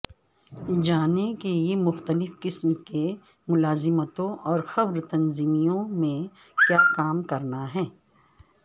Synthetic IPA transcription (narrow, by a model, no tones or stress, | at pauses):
d͡ʒaːnekeijemʊxt̪əlɪfkɪsmke | mʊlaːzɪmət̪õʔɔːɾxɐʋɾt̪ɐnziːmijõmẽ | kjaːkaːmkɐɾnaɦɛː